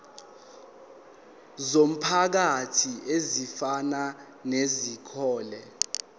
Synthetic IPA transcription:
zom̩pʰak̬atʰiʔezifana | nezikʰɔːlɛ

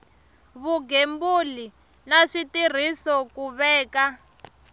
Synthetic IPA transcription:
βuɡembuli | naʂitir̤isɔkuβɛːka

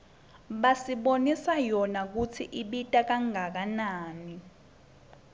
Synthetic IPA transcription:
ɓasiɓonisajɔnak̬ut͡sʰiʔiɓitʼak̬aŋʱak̬anaːni

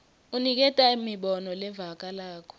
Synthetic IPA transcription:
unik̬ɛtʼaimiɓɔnɔlɛvak̬ʼalaːkʰɔ̥

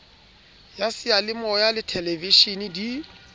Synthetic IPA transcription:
jasɪalɪmɔjalɪtʰɛlɛviʃinidi

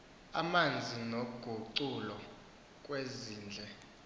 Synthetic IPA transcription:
amand͡zʱinoɡ̥ʱuǀulɔ | k̬ʼweziːnd͡ɮʱɛ

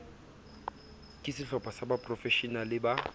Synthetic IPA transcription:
kʼɪsɪɬɔpʼasabapʼrɔfɛʃinalɪba

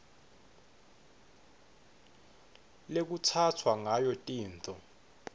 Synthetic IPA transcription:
lek̬ut͡sʰatʰwaŋajɔtʼiːntʰʼɔ

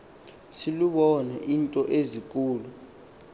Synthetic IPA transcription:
siluɓɔnɛʔintʼɔʔezik̬ʼuːlu

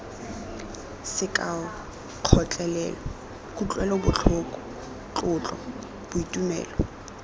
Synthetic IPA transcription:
sɪkʼaɔ | q͡χʰɔt͡ɬʼɛlɛːlɔ | kʼut͡ɬʼwɛlɔbʊt͡ɬʰʊkʼɔ | t͡ɬʼʊt͡ɬʼɔ̰ | b̥ʊitʼumɛ̰ːlɔ

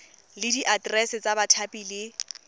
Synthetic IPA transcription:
lɪdiʔadrɛsɪt͡sʼabatʰapʼilɪ

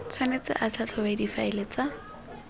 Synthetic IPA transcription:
t͡sʰwanet͡sɪ̰ʔat͡ɬʰat͡ɬʰɔbadifaɪlet͡sa

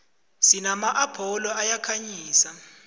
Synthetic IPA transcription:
sinamaʔabʰʱɔlɔajakʰaɲiːsa

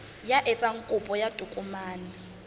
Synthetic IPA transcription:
jaʔɛt͡sʼaŋ̩kʼupʼɔjad̥ʱʼukʼumaːnɛ

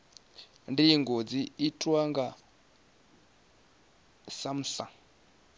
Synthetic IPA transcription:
ndiŋɡod͡ziitʰʼwaŋɡa | sam̩ɬa

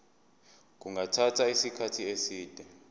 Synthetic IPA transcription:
k̬uŋatʰatʰaisikʰatʰiesiːd̥ʱɛ

